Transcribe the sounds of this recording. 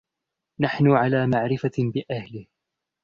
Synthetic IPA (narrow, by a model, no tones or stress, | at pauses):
naħnʊʕalaːmaʕɾɪfabɪʔahlɪh